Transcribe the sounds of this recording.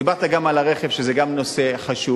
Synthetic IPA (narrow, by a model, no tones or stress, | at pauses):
ibaʁt̪aɡamalaʁeχevʃezeɡamno̞se̞χaʃu